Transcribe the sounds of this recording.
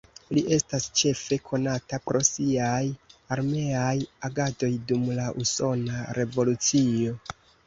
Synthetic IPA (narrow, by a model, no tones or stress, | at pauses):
liʔe̞stast͡ʃe̞fe̞kʰo̞natapɾo̞siajaɾme̞ajaɡado̞jdumlaʔuso̞naɾe̞vo̞lut͡sio̞